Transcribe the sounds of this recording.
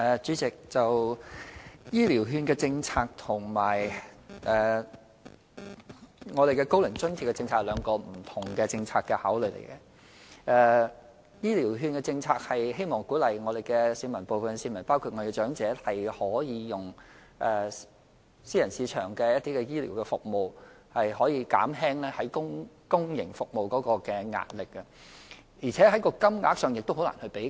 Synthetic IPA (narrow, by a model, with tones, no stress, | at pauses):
ɛː˨t͡ʃyː˨˥t͡sɪ˨k̚t͡sɐ˨w | jiː˥liː˨˩wɦyː˧nkɛː˧t͡sɪ˧ŋt͡sʰaː˧k̚t̪ʰʊ˨˩ŋmaː˨˩jʔɛː˨ | ŋɔ˨˧d̪e˨˩kɛ˧ko˥wlɪ˨˩ŋt͡ʃɵ˥nt̪ʰi˨˩kːɛ˧t͡sɪ˧ŋt͡sʰaː˧˩lœː˨˧ŋkɔː˧m̩˨˩t̪ʰʊ˨˩ŋkɛː˧t͡sɪ˧ŋt͡sʰaː˧t̚kːɛ˧haː˨˥wlɵ˨˩lḛ˨˩jkɛ˧ | ɛː˨˧ | jiː˥liː˨˩wɦyː˧nkɛː˧t͡sɪ˧ŋt͡sʰaː˧k̚hɐ˨jɦe˥jmɔː˨˩ŋkuː˨˥lɐ˨jŋɔː˨˧d̪e˨˩jkɛ˧siː˨˧˥nmɐ˨˩npo˨wfɐ˨nsiː˧nmɐ˨˩npaː˥wkʰu˧t̚ɔː˨˧de˨˩ɛ˧t͡ʃœː˨˥ŋt͡sɛː˨˥hɐ˨jhɔː˨˥jiː˨˧jʊ˨ŋ | ʔɛː˨ | siː˥jɐ˨˩nsiː˨˧t͡ʃʰœː˨˩ŋkɛ˧jɐ˥t̚t̪iː˥kɛ˧jiː˥liː˨˩wkɛ˧fʊ˨k̚mo˨w | hɐ˨jɦɔː˨˥jiː˧ka̰ː˨˥mɦɛː˥ŋlɛː˥hɐ˨˥jkʊ˥ŋ | kʊ˥ŋjɪ˨˩ŋfʊ˨k̚mo˨wkɔː˨˥kɔː˧kɛː˧ŋa̰ː˧t̚lɪ˨k̚ːɐ˧ | jiː˨˩t͡sʰɛː˨˥ɦɐ˨˥jkɔː˧kɐ˥mŋa̰ː˨˥k̚sœː˨ŋjɪ˨k̚t̪o˥wɦo˨˥wla̰ː˨˩nhɵ˧pe˨˥